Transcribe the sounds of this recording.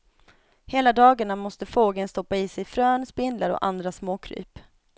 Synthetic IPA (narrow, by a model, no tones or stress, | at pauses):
heːlad̪ɑːɡaɳamɔst̪əfoːɡənst̪ɔpːaɪsɛjfɾøːnspɪndlaɾɔ̰ʔand̪ɾasmoːkʰɾy̰ːp